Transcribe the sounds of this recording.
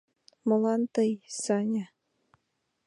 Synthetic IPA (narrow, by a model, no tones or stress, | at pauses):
mɤ̆lɑnt̪ɤjsɑnʲa